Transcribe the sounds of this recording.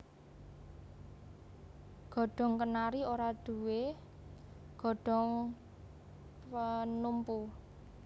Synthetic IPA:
ɡ̥ɔ̤ɖ̥ɔ̤ŋkənaɾioɾad̪̥ṳwe | ɡ̥ɔ̤ɖ̥ɔ̤ŋ | pənumpu

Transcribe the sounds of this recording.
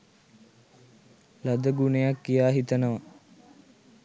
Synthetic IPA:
lad̪əɡunejakːijaːɦit̪ənəʋa

